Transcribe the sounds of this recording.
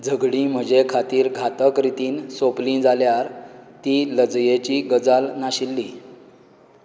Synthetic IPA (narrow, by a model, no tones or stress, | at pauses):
d͡zʱəɡɽĩm̤əd͡ʑekʰat̪iːɾɡʱat̪əkɾit̪iːnsoplĩd͡zaljaɾt̪iləd͡zjet͡ɕiːɡəd͡zalnaɕilːiː